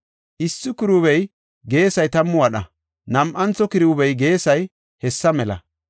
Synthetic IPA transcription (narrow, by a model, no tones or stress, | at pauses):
ʔɪsːɪkɪɾʊβɛj | ɡe̞ːsɐjt̪ɐmːʊɐɗɐ̰ | nɐmʔɐnt͡sːɔkɪɾɪwʊbɛjɡe̞ːsɐj | hɛsːɐmɛlɐ̰